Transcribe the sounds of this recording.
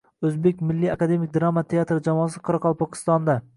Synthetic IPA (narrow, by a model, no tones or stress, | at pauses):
ɵzbekʲmɪlːiakad̪e̞mɪk̚ʲd̪ɾamat̪ʰe̞at̪ɾɪd͡ʒamɒːsɪqʰɒɾɑqʰɒlˠpɒkʲʰɪ̥st̪ɒnd̪a